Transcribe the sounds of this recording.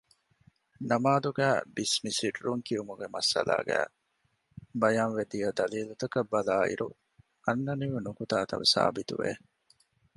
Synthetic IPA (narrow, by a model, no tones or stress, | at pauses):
nɐmaːd̪uɡæ̰ːbismisiʈɾuŋkiumuɡemɐsɐ̰la̰ːɡæ̰ː | bɐjaːnʋed̪ijɐd̪ɐliːlut̪ɐkɐbːɐlaːḭɾu | ɐnːɐniʋunukut̪aːt̪ɐ̰ʋɐsa̰ːbit̪ṵʋḛ